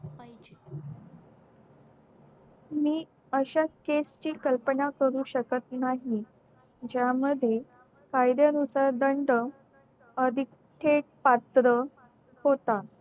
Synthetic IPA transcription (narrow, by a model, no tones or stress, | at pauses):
miː | əɕakest͡ɕiːkəlpəɳakəɾuːɕəkət̪naɦi | d͡ʑjaməd̪ʱje | kajd̪janusaɾd̪əɳɖə | əd̪ʱik | ʈʰeʈ̚pat̪ɾə | hot̪a